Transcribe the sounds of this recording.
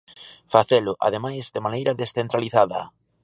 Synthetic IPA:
faθelʊʔa̰ðemajzd̪emanejɾɐðesθent̪ɾaliθaðɐ̰

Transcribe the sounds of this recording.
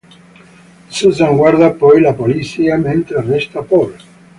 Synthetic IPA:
susaŋɡwaɾðapojlapoliθiamẽnt̪ɾarest̪apol

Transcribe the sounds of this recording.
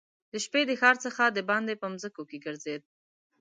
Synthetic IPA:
d̪əʃped̪əxɑɾt͡səxad̪əbɑnd̪epəmzəkokeɡəɾzed̪̚

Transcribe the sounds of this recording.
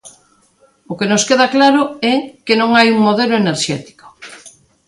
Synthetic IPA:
ʊkenoskeð̞aklaɾoɛkenõŋajuŋmoð̞eloeneɾʃɛt̪i̥ko̥

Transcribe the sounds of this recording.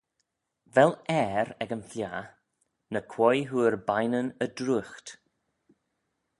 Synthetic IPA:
vɛlɛɾɛɡənflʲjaː | nəkʰw̥ɔjɦuːɹbajnənədɾuxt̪

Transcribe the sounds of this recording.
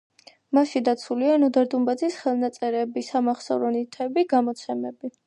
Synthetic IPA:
maʃid̪at̪sʰulianɔd̪aɾd̪umbad̪zisχɛlˠnat̪sʼɛɾɛbisamaχsa̰vɾɔnit̪ʰɛbiɡamɔt̪sʰɛmɛbi

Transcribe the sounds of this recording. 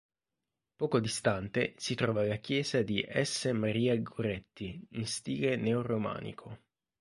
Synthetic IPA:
pɔːkod̪ist̪ant̪esit̪ɾɔːvalakjɛːzad̪iʔɛsːemaɾiːaɡoɾɛt̪ːiinst̪iːlenɛoɾoma̰ːnḭkʰo

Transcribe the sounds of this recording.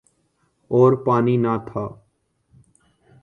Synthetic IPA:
oːɾpaːniːnaːt̪ʰaː

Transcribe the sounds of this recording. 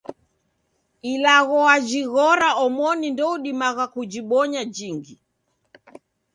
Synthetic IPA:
ilaɣɔad͡ʒiɣɔɾaɔmɔnindɔuɗimaɣakud͡ʒiɓɔɲad͡ʒiŋɡi

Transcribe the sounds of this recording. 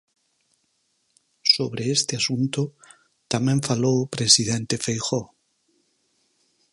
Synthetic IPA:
so̞β̞ɾe̞est̪easunt̪o | t̪ameɱfalopɾe̞siðe̞nt̪e̞fejxo

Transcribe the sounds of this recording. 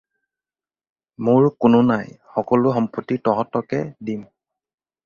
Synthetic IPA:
mʊɹkʊnʊnajxɔkɔlʊxɔmpɔtːitɔɦɔtɔkɛdim

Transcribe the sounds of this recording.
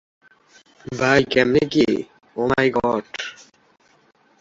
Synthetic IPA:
bajkɛmneke | oːmajɡɔɖ

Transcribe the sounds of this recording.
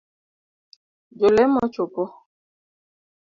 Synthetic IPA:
d͡ʒolɛmɔt͡ʃopɔ

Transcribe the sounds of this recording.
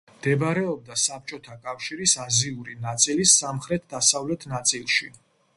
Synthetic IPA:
md̪̥ɛbɾɛɔb̚d̪asap̚ʰt͡ʃʼɔt̪ʰakʼafʃiɾisaziuɾinat̪sʼilisːamχɾɛt̪̚ʰd̪asavlɛt̪ʰnat̪sʼilˠʃi

